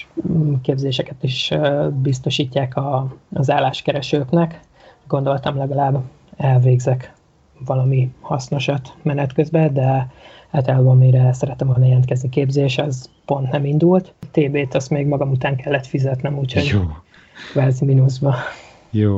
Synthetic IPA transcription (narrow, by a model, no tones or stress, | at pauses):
keːbzeːʃɛkɛt̪iʃbist̪o̞ʃiːcːaːkɒːzaːlːaːʃkɛɾɛʃøːknɛk | ɡo̞nd̪o̞lt̪ɒmlɛɡɒlaːb | ɛlveːɡzɛk | vɒlɒmihɒsno̞ʃɒt̪mɛnɛt̪køzbɛd̪ɛ | aːlt̪ɒlaːbɒmiɾɛsɛɾɛt̪ɛmodnɛlɛnt̪kɛznikeːbzeːʃɒzpo̞nt̪nɛmind̪ult̪t̪eːbeːt̪ɒst̪meːɡmɒɡɒmut̪aːŋkɛlːɛt̪fizɛt̪nɛmuːchoɟ | kvaːziminuzbɒ | joː